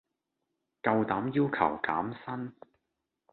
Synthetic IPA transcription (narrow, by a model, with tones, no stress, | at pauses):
kɐ˧wt̪aː˨˥mjiː˥wkʰɐ̰˨˩wka̰ː˨˥msɐ˥n